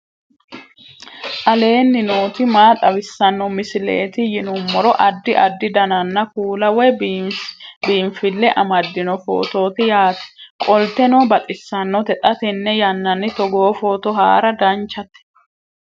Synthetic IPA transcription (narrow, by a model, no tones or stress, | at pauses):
ʔɐle̞ːnːɪnoːt̪ɪmaːt̪ʼɐbɪsːɐnːɔmɪsɪlḛːt̪ɪjɪnʊmːɔɾɔʔɐd̪ːɪʔɐd̪ːɪd̪ɐnɐnːɐkuːlɐwɛb | biːmfɪlːɛʔɐmɐd̪ːɪnɔfo̰ːt̪o̞ːt̪ɪjaːt̪ɛ̥kʼɔlt̪ɛnoːbɐt̪ʼɪsːɐnːɔt̪ɛt̪ʼɐt̪ɛnːɛjɐnːɐnːɪt̪ɔɡoːfo̞ːt̪ɔɦaːɾɐd̪ɐnt͡ʃːɐt̪ɛ̥